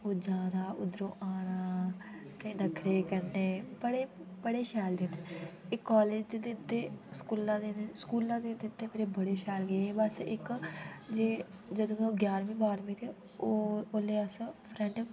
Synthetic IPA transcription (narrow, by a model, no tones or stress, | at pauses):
oːd͡ʒaːnaːʊd̪ɾõːʔaːɽ̃aː | t̪eːnəkʰɾeːkəɾneːbəɽeːbəɽeːʃɛːld̪ẽeɪkːaːleːd͡ʒd̪ed̪et̪ːeːskuːlãːd̪eneskuːlãːd̪eːt̪et̪ːeːmeːɾeːbəɽeːʃɛːlɡeebəsɪkd͡ʒeːd͡ʒəd̪õːmɛ̃ɡjaːɾmĩːbaːɾmĩːt̪eː | ooleːəspʰɾɛ̃ɳɖ